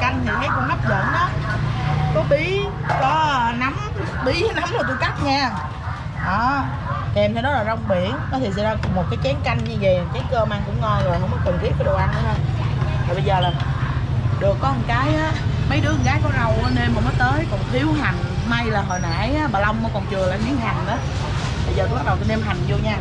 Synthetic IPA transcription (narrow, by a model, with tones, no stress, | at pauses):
ka˧jŋ̟t̪ʰi˨˩kaː˨˦jkɔ˧nŋa˦˥p̚zə̰˧˨nʔɔ˨˦ | kɔ˨˦ɓi˧˦kɔ˨˦na˨˦m | ɓi˧˨˦na˨˦mla˨˧˩t̪u˧jka˦˥k̚ɲaː˧˩ | ʔɔː˨˩ | kɛ˨˩mt̪ʰe˧˦nɔ˨˦laː˨˩zɔ˧wŋ͡mɓḭ˧˨ənnɔ˨˦t̪ʰi˨˩s̬ɛ̰˧˨zaː˧kʊ˨˩ŋ͡mmo˨˩t̚kaː˨˦jt͡ɕɛ˨˦ənka˧jŋ̟ɲɨ˧ve˨˩˨kaː˨˦jkəː˧maː˧ŋkʊ̰˧˥ŋ͡mŋɔ˧nzo˨˩j̰məː˨˦jkwnt̪ʰi˦˥əkɔː˨˦ɗo˨˩wʔa˧na˨˧˦jt̪ʰaː˨˩ɓə˧jzəː˨˩laː˨˩ | ɗɨ˨˩əkːɔ˦mo˨˩kaː˨˦jʔaː˨˦mə˨˦jɗɨ˨˦ə˨ŋɣaː˨˦jkɔ˨˦na˨˩wʔne˧mːəː˨˩məː˨˦jt̪əː˨˦jkɔ˨˩nt̪ʰi˨˦əwɦa˨˩ŋma˧jlaː˨˩ɦo˨˩jna̰ː˧˥˨jʔaː˨˦ɓaː˨˩lə˧wŋ͡mɔ˨˦kɔ˨˩nt͡ɕɨ˨˩əlaː˨˩mi˨˦əŋɦa˨˩ŋʔaː˨˦ | ɓə˧jzəː˨˩kŋ͡mɓa˦˥ɗə˨˩wt̪i˧˦ɗe˧mɦa˨˩jŋ̟zo˧ɲaː˧